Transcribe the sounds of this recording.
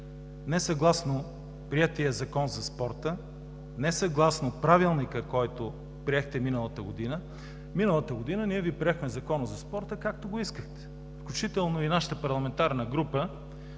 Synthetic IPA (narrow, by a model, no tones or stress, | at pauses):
nɛsɐɡlˠasno | pɾiɛt̪iəzɐkɔnzɐspɔɾt̪ə | nɛsɐɡlˠasnopɾavilˠnikəkɔjt̪o | pɾiɛxt̪ɛminəlˠət̪əɡod̪inə | minəlˠət̪əɡod̪inəniɛvipɾiɛxmɛzɐkɔnəzɐspɔɾt̪əkak̚t̪oɡoiskəxt̪ɛ̥ | fklʲʊt͡ʃit̪ɛlˠnoinaʃə̥t̪əpɐɾlˠɐmɛnt̪aɾnəɡɾupə